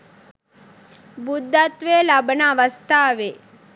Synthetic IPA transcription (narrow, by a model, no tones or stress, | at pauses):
bud̪ʱːɐt̪ʋeːlɐbənaʋəst̪ʰaːʋe